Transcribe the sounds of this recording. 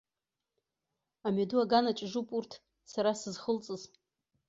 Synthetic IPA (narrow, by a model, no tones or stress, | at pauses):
amaduaɡanat͡ʃʼʒupʼurtʰ | saɾasɨzχəlt͡sʼɨz